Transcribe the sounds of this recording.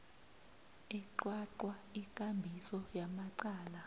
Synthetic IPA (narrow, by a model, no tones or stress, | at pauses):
ɛǃwaǃwaikʼambʱisɔjamaǀaːla